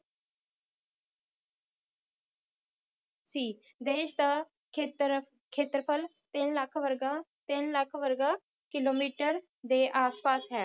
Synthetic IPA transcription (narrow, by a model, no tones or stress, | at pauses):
siː | d̪eːʃd̪aː | t̪ɾə | kʰeːt̪əɾpʰəl | t̪ɪnləkʰʋəɾɡaːt̪ɪnləkʰʋəɾɡaː | kɪloːmiːʈəɾ | d̪eːʔaːspaːsɦɛː